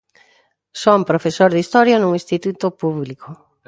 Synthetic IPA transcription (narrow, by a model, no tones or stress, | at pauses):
sompɾofesoɾðist̪ɔɾjanuŋĩst̪it̪ut̪ʊpuβlikʊ